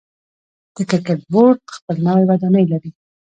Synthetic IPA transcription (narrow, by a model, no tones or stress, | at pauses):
d̪̥əkɪɾkeʈ̚boɾʈ̚xpəlnawajwad̪ɑnəjlaɾi